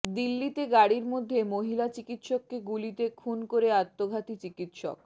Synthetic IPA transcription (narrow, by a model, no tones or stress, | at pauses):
d̪ilːit̪eɡaɽiɾmod̪ʱːemoɦilat͡ɕikit̪ʃokːeɡulit̪ekʰunkoɾeat̪ːoɡʱat̪it͡ɕikit̪ʃo̰k̚